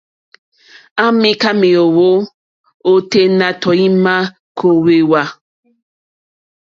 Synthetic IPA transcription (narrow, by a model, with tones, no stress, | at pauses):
a˦mi˦ka˦me˨o˨wo˦ | o˦te˦na˨tɔ˨i˦ma˦ | kʰo˦we˨wa˦